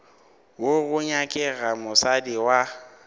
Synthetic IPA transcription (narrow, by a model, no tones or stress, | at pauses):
woɣʊɲakʼɛɣamʊsadiwa